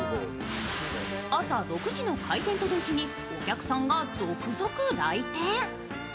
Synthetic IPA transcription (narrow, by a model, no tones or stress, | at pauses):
asaɾo̞kɯ̟ʑino̞kʰait̪ẽnt̪o̞d̪o̞ːʑiɲ̟i | okʲakɯ̟̥sãŋɡazookɯ̟zo̞kɯ̟ɾait̪ẽɰ